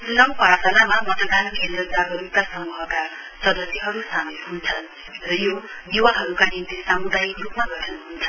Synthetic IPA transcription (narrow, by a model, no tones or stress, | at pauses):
lʌmpaɾsalamabʌt̪ʌd̪anmiendʌɡd͡zaɦʌɾuikasʌmuɦʌka | sʌd̪ʌsjiɦʌɾusamet̪ɦunt͡sʰʌn | rʌjo | d̪iwaɦʌɾukanint̪isamud̪ajikɾupmaɡʌʈʰʌnuɦunt͡sʰʌ